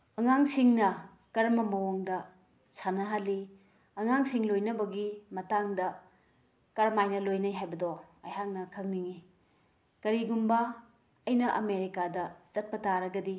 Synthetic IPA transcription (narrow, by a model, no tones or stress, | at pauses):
ɐŋaŋsiŋnɐ | kɐɾmɐmɐwoŋdɐ | sanɐɦali | ɐŋaŋsiŋlojnɐbɐɡimɐtaŋdɐ | kɐɾmajnɐlojnɐjɦajbɐdɔɐ̰jɦaŋnɐkʰɐŋniŋi | kɐɾiɡumbɐː | jnɐʔɐ̰meɾikadɐt͡ʃɐt̚pɐtaɾɐɡɐdi